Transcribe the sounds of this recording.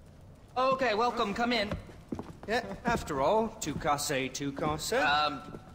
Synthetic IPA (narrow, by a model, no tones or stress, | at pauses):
ookeɪwɛlˠkə̃mkʰʌ̃mɪ̃n | jææftə˞ɔlˠtʰʉkʰɑseɪtʰʉkʰɑsəʌ